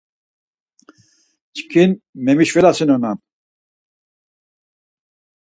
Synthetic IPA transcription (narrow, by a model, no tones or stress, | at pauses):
t͡ʃʰi̥kʰinmemiʃvɛlasinonan